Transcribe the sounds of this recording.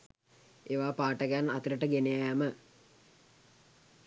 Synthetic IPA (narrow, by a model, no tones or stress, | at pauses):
eʋaːpaːʈəɡænat̪iɾəʈəɡenejajamə